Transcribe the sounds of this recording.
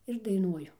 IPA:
ɪr dɐɪˈnuɔjʊ

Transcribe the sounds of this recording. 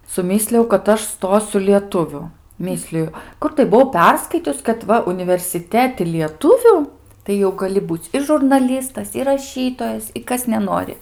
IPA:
sʊˈmʲiːsʲlʲɪjɛʊ kɐt ˈɐʃ ˈstoːsʲʊ lʲiɛˈtʊʋʲʊ ˈmʲiːsʲlʲɪjʊ ˈkʊr tɐɪ bʊˈʋɐʊ ˈpʲɛrskɐɪtʲʊs kɐt ˈʋɐ ʊnʲɪʋʲɛrʲsʲɪˈtʲæːtʲɪ lʲiɛˈtʊʋʲʊ tɐɪ jɛʊ ɡɐˈlʲɪ ˈbuːt͡sʲ ɪ ʒʊrnɐˈlʲiːstɐs ɪr rɐˈʃʲiːtoːjɛs ɪ ˈkɐs nʲɛˈnoːrʲɪ

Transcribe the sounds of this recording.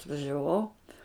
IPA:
ɐtʋɐʒʲɛˈʋɐʊ

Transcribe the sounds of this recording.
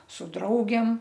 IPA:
sʊ ˈdrɐʊɡʲeːm

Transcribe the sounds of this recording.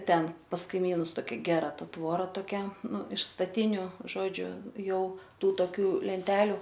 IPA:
ˈtʲɛn pɐs kɐɪˈmʲiːnʊs toːˈkʲɛ ˈɡʲæːrɐ ˈtɐ ˈtʋoːrɐ toːˈkʲɛ ˈnʊ ɪʃ stɐˈtʲɪnʲʊ ˈʒoːd͡ʒʲʊ ˈjɛʊ ˈtuː toːˈkʲuː lʲɛnʲˈtʲæːlʲʊ

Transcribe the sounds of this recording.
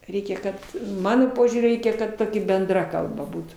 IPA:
ˈrʲɛɪkʲɛ ˈkɐt ˈmɑːnoː ˈpoːʒʲuːrʲʊ ˈrʲɛɪkʲɛ kɐt ˈtoːkʲɪ bʲɛnˈdrɐ kɐlˠˈbɐ ˈbuːtuː

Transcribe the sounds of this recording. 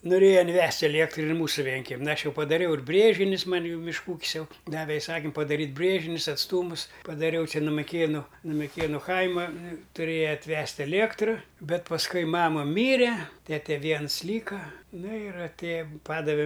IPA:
noːˈrʲeːjɛ ɪnʲˈʋʲɛsʲtʲ ɐˈlʲiɛktrʊ ɪr ˈmuːsʊ ˈʋʲiɛŋʲkʲɛmʲɪn ˈɐʃ ˈjɛʊ pɐdɐˈrʲɛʊ ɪr ˈbʲrʲeːʒʲɪnʲʊs ˈmɐnʲ ˈjɛʊ mʲɪʃˈkuː ˈuːkʲɪs ˈjɛʊ ˈdɑːʋʲɛ ɪˈsɑːkʲɪm pɐdɐˈrʲiːtʲ ˈbʲrʲeːʒʲɪnʲʊs ɐtsˈtuːmʊs pɐdɐˈrʲɛʊ ˈt͡ʃʲɛ nʊ mʲɪˈkʲeːnʊ nʊ mʲɪˈkʲeːnʊ ˈkɐɪmɐ tʊˈrʲeːjɛ ɐtʲˈʋʲɛsʲtʲ ɛˈlʲiɛktrʊ ˈbʲɛt pɐsˈkʊɪ ˈmɑːmɐ ˈmʲiːrʲɛ ˈtʲæːtʲɛ ˈʋʲiɛns ˈlʲiːkɐ nʊ ɪr ɐtʲˈeːjɛ ˈpɑːdɐʋʲɛ

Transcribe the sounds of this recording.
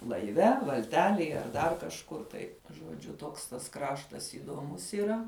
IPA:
lˠɐɪˈʋʲɛ ʋɐlʲˈtʲæːlʲeːj ɐr ˈdɐr kɐʃˈkʊr tɐɪ ʒuɔˈd͡ʒʲʊ ˈtoːks tɐs ˈkrɑːʃtɐs iːdoːˈmʊs ɪˈrɐ

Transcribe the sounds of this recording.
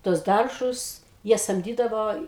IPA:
tuɔs ˈdɐrʒʊs ˈjiɛ sɐmʲˈdʲiːdɐʋoː

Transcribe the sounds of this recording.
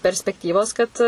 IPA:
pʲɛrʲsʲpʲɛkˈtʲiːʋoːs ˈkɐt

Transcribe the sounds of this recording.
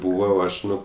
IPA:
ˈbuːʋɐ oː ˈɐʃ ˈnʊ

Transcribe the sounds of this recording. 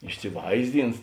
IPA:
ɪʃʲsʲɪˈʋɐɪzʲˌdʲɪns

